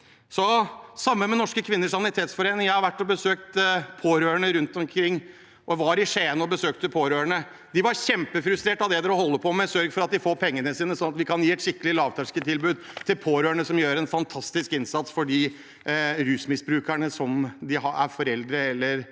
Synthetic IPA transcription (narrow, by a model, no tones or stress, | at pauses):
sɔsɑmːəmɛnɔʂkəkʰʋɪnːəʂɑnɪt̪ʰeːt̪sfɔɾeːnɪŋjæhɑɾʋæʈːɔbəsøːk̚t̪pʰoːɾøːəɳəɾʉnt̪ɔmkʰɾɪŋː | ʔɔʋɑɾɪʂeːənɔbəsøːkt̪əpʰoːɾøːɳə | d̪ɪʋɑɾɕɛmpəfɾʉst̪ɾeːʈɑʋd̪ɛd̪ɛɾɔɦɔlːəpʰɔmɛsœɾɡfɔɾɑt̪̚d̪ɪfoːɾpʰɛŋːənəsiːnəsɔnɑt̪ʋɪkʰɑnjiːɛt̪ʃɪkːəlɪlɑːʋt̪ʰæʂkət̪ʰɪlbʉːd̪ | t̪ʰɪlpʰoːɾøːɳəsɔmjøːɾɛnfɑnt̪ʰɑst̪ɪskɪnsɑt̪sfɔɖiː | ɾʉːsmɪsbɾʉːkæɳəsɔmd̪ɪɦɑæ̰ɾfɔɾɛld̪ɾəɛlːəɾ